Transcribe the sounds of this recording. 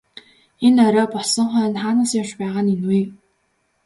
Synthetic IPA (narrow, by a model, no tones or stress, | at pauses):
enœɾɔːpɔɮsɞ̆ɴχœːnχaːnə̆sjaʃpæːʁaːninwiː